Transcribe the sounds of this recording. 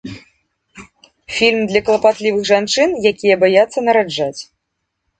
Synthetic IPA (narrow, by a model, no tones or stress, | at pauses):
fʲilʲmd̪lʲɐklˠɐpat̪lʲivɨɣʐant͡ʂɨnjakʲijɐbajat̪sːɐnɐɾad͡ʐːat͡sʲ